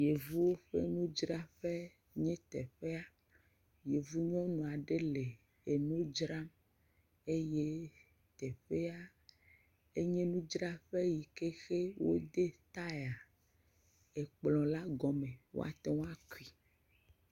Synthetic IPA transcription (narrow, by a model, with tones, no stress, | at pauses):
je˨vu˦wo˦ɸḛ˦nũ˦d͡ʒɾa˦ɸe˦ | ɲɛ̃˦t̪ɛ˨ɸe˦a˦ | je˨vu˦ɲɔ̃˦nũ˨a˨ɖe˦le˨ | e˨nũ˦d͡ʒɾa˦m | e˦je˦ | t̪ɛ˨ɸe˦a˦ | e˦ɲẽ˦nũ˦d͡ʒɾa˦ɸe˦ji˨ke˦xe˦wo̰˦d̪e˦t̪a˦e˨a˨ | e˨k͡plɔ̃˨la˦ɡɔ˨mẽ˨wo̰˦a̰˨t̪e˦w̃a˦ki˨